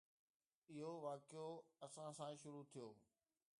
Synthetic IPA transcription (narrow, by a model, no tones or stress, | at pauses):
ɪɦoʋaːkɪjoɐsãsãːʃʊɾut̪ʰijoː